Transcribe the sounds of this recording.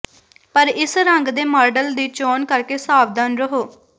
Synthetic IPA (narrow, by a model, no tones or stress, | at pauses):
pəɾɪsɾəŋɡd̪eːmaːɾɖəld̪iːt͡ʃoːnkəɾkeːsaːʋd̪aːnɾəɦoː